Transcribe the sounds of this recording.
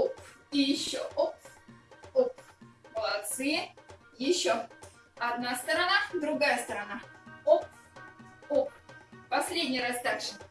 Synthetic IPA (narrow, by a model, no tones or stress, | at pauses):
opijɪɕːoʔop | opməlˠɐt̪sɨjɛ | jɪɕːo | ɐd̪nast̪əɾɐnad̪ɾʊɡajəst̪əɾɐnaop | oppɐsʲlʲedʲnʲɪjɾast̪akʂɨ